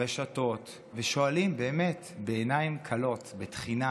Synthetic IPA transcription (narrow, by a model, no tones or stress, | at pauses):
eʃato̞t | veʃo̞alimbe̞ːmetbeːnaimkʰalo̞tbetχina